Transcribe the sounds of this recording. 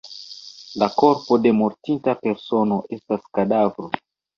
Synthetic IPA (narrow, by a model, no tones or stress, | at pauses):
lako̞ɾpo̞de̞moɾtintape̞ɾso̞no̞ʔe̞staskadavɾo̞